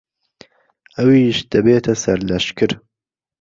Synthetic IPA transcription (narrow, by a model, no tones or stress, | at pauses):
ʔɐwiːʃd̪̥ɐbeːt̪ʰɐsɐɾlɐʃkɨɾ